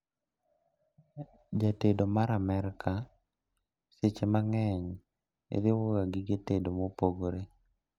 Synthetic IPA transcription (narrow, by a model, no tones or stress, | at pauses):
d͡ʒatedomaɾamɛɾkʰa | set͡ʃemaŋɛɲ | ḛðɪwoɡaɡɪɡetedomopoɡoɾe